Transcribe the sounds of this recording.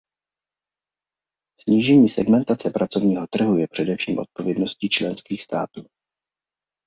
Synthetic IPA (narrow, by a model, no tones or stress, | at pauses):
sɲiːʒɛɲiːsɛɡmɛnt̪at͡sɛpɾʔat͡so̞vɲiːɦo̞t̪r̩ɦujɛpr̝̥ɛdɛfʃiːmʔo̞̰t̪̚po̞vjɛdno̞sciːt͡ʃlɛnskiːxst̪a̰ːt̪uː